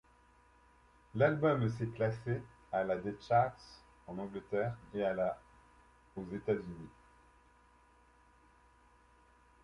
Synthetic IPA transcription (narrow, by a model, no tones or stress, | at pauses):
lalbɔms̬ɛklase | alad̪et͡ʃaʁts | ɑ̃nɑ̃ɡlət̪ɛʁeala | ozet̪azyni